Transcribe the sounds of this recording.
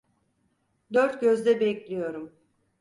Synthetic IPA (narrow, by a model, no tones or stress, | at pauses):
d̪øɾt̪ɟø̞zd̪ɛbɛclʲijo̞ɾum